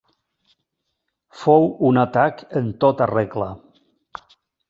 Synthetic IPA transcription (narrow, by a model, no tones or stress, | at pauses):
fowunat̪akənt̪ot̪areɣlə